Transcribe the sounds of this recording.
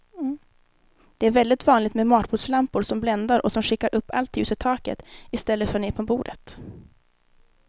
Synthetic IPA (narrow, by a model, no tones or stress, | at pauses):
d̪̥ɛæɾvɛld̪ɪɡt̪vɑːnlɪt̪mɛmɑːʈ̪buːslampʊɾʂɔmblɛnd̪aɾʔɔsɔmɧɪkːaɾʔɵpːa̰lt̪ʉːsət̪ʰːɑːkə̰t̪ɪst̪ɛlːəfœɳneːpʰɔbuːɖ̪ə̰t̪